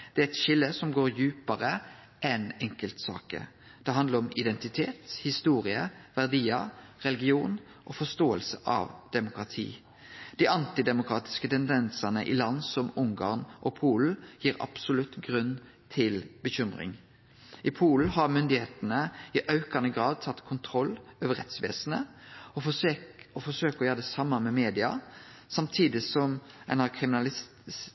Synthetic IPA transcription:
d̪̥ɛæɾɛt̪ʃɪlːəsɔmɡoːɾjʉːpɑɾə | ʔɛnɛŋkəlt̪sɑ̰ːkə̰ | d̪̥ɛɦɑnd̪əɾɔmɪd̪ɛnt̪ɪt̪ʰeːt̪hɪst̪uːɾɪəʋæʁd̪iːəʁɛlɪɡɪuːn | ʔɔfɔst̪oːəlsəʔɑ̰ʋd̪̥ɛmʊkʁɑt̪ʰḭː | d̪̥iɑnt̪ɪd̪ɛmʊkʰɾɑːt̪ɪ̥skət̪ʰɛnd̪ɛnsɑnəʔɪ̰lɑnːsɔmʊŋɡɑːʁnʔɔpʰuːl̩jiːɾɑ̰psʊlʉt̪ɡʁʉnː | t̪ʰɪlbəçʏmʁɪ̰ŋ | ʔɪpʰuːln̩ɦɑʁmʏnd̪ɪheːt̪nəɪʔɑʉkɑnəɡʁɑːd̪̚t̪ʰɑt̪ːkʰʊnt̪ʰʁɔlːøːʋəɾɛt̪sʋḛːsn̩əɔ | ɔfɔsøːkɔjøːʁd̪ɛsɑmːɑmɛmeːd̪ɪɑ | sɑmt̪ʰiːd̪ɪsɔmæɪnɑkʰʁɪmɪnɑlɪs

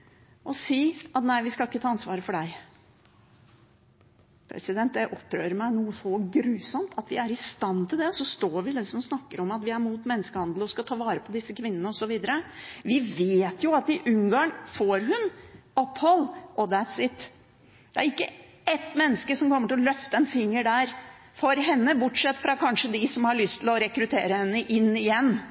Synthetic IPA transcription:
ɔsiːɑt̪næɪʋɪskɑlɪkːət̪ʰɑːɑnsʋɑːɾəfɔɖæɪ | pʰɾɛ̰sɪd̪ɛnt̪̚d̪ɛʔɔpːɾøːɾəmæɪnuːəsɔɡɾʉːsɔmt̪ʰɑt̪ʋɪ̰æɾɪst̪ɑnːt̪ʰɪld̪ɛsɔst̪oːʋɪlɛsɔmɔsnɑkːəɾɔmɑt̪ʋɪæɾmuːt̪mɛnːəskəhɑnd̪l̩ɔskɑt̪ʰɑːʋɑːɾəpʰɔd̪ɪsːəkʰʋɪnːənəɔsɔʋiːd̪əɾəʋɪʋeːt̪jʊɑt̪ɪʔʉŋɡɑŋfoːɾɦʉnɔpːhɔlːʔɔd̪æt̪sɪt̪ | d̪̥ɛæɾɪkːə | ɛt̪mɛnːəskəsɔmkʰɔmːəʈɪlɔlœft̪əɛnfɪŋːəɖæɾ | fɔɾɦɛnːəbʊʈʂɛt̪ːfɾɑkʰɑnʂəd̪ɪsɔmhɑɭʏst̪ʰɪlɔɾɛkɾʉt̪ʰeːɾəhɛnːəʔɪnːɪjɛnː

